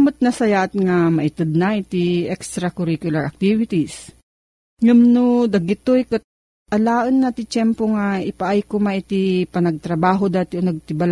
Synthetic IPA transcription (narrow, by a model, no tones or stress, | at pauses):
mʊt̪̚nɐsɐjaʔɐt̪̚ŋamɐʔɪt̪ɨd̪̚naʔɪt̪iɛkst̪ɾakʊɾikjʊlɐɹɐk̚t̪ivɪt̪is | ŋɐmnod̪ɐɡɪt̪ojkɐt̪̚ | ʔɐlaːʔɐnːat̪ɪt͡ʃɛmpoŋaɪpaʔajkʊmaʔɪt̪ipɐnɐɡ̚t̪ɾɐbaːɦod̪aːt̪ɪonɐɡ̚t̪ɪbal